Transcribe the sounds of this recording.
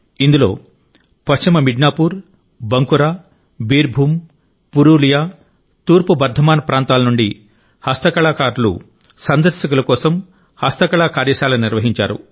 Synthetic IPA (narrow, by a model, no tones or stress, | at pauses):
ind̪ulo̞̰ː | pɐst͡ʃimɐmiɖnaːpuːɾ | bɐŋkuɾaː | biːɾbʱuːm | puɾuːlijaː | t̪uːɾpubɐɾd̪ʱɐmaːnɐpɾaːnt̪aːlɐnuɳɖi | hɐst̪ɐkɐɭaːkaːɾlṵ | sɐnd̪ɐɾsɐkulɐkɔːsɐm | hɐst̪ɐkɐɭaːkaːɾjɐːʃaːlɐniɾʋɐɦiɲt͡ʃaːɾṵ